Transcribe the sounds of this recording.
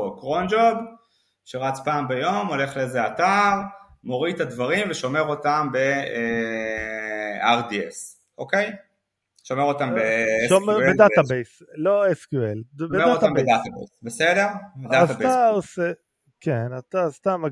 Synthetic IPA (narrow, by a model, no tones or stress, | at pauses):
kʁond͡ʒod | ʃeʁat͡spaːmbajomo̞le̞χlezeataʁ | mo̞ʁit̪advaʁimveʃo̞me̞ʁo̞tambe̞ | aʁdiḛs | ʔokej | ʃo̞meʁo̞t̪ambeʃomebedaabejsloeskjuelbemdatambedat̪abḛsbesede̞ʁd̪aabaose | kenatast̪ama